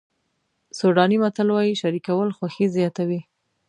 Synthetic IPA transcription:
soɖɑnimat̪alwɑjiʃaɾikawəlxwaxizjɑt̪awi

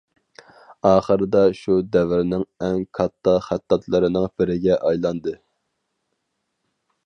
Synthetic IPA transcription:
ɑːχəɾɨd̪ɑʃud̪ɛvɪɾnɪŋɛŋkʰɑt̪ʰːɑχæt̪ʰːɑt̪lˠɨɾɨnɨŋb̥ɪɾɪɡʲɛʔɑjlˠɑnd̪ɨ

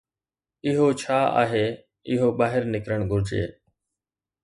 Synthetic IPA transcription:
ɪɦoːt͡ʃʰaːa̰ːɦeː | ɪɦoːɓaːɦɪɾnɪkɾəɳɡʱʊɾd͡ʒḛː

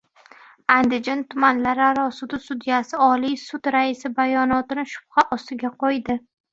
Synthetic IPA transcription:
and̪ɪd͡ʒant̪ʰʊmanlaɾaɾɒsʊd̪ʊsʊd̪ijasɪɒlijsʊd̪ɾaɪsɪbajɒnɒt̪ɪnɪʃʊ̥p̚χaʔɒst̪ɪɡʲaqʰɒjd̪ɪ

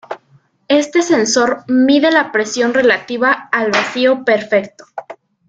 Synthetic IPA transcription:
e̞st̪e̞se̞nso̞ɾmiðe̞lapɾe̞sjo̞nre̞lat̪iβaːlβasiope̞ɾfe̞kt̪o̥

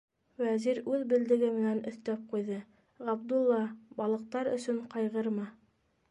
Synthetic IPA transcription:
wæziɾʉðbɘ̆ld̪ɘ̆ɡɘmɘ̆nænɵ̆θt̪æp̚qujðɤ | ʁɑbd̪ulˠːɑbɑlˠɤ̆q̚t̪ɑɾɵ̰̆sɵɴqɑjʁɤɾmɑ

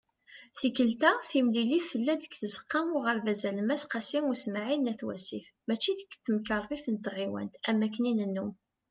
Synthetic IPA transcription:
θikəlt̪æθimliliθfəlːæd̪əkθəzə̥qːɑmʊʁəɾvæzæləmæsqɑsiŋʊsmaʕinæθwæ̰sifmæt͡ʃːiðəkːθəmkəɾˤðˤiθnət̪ʁiwæ̰nt̪æmːækːəninənːum

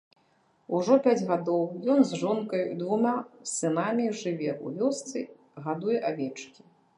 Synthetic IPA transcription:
uʐɔpʲad͡zʲɣad̪ɔwjɔnzʐɔnkɐjd̪vumʲasɨnamʲiʐɨvʲɛʔṵvʲɔst̪sɨ | ɣad̪ujɛʔavʲɛt͡ʂkʲi̥

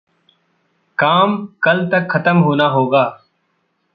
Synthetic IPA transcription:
kaːmkəlt̪əkxət̪əmɦoːnaːɦoːɡaː

